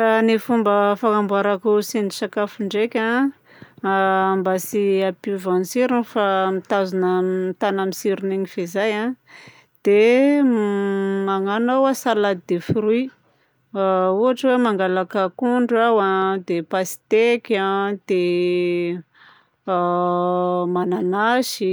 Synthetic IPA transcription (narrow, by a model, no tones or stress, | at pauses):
anifumbəfaŋambaɾakusind̪isakafuɳɖ͡ʐekʲã | ambasiapivãnisiɾinfamit̪azunəmit̪anamisiɾuniɲifezajã | d̪̥e | maŋanawasalad̪id̪efiɾui | uaʈ͡ʂəwemaŋɡalakəkuɳɖ͡ʐawad̪epasi̥t̪ekʲãd̪̥e | mananaʃi